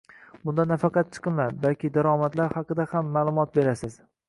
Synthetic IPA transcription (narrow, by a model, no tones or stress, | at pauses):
bʊnd̪anafɑqɑt̪̚t͡ʃʰɨ̥qɨnlaɾbalkʲɪd̪aɾɒmat̪laɾhɑqɨd̪ahamːaːlˠʊmɒt̪̚be̞ɾasɪz̥